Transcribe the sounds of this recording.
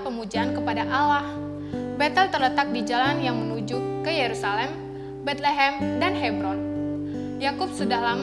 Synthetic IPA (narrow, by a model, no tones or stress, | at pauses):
pəmud͡ʒaankəpadaʔawah | bɛt̪əlt̪ərlət̪ak̚did͡ʒalanjaŋmənud͡ʒukəjeɾusalɛm | bɛt̪̚leɦɛmdanɦɛbɾɔn | jakup̚sudahlaŋ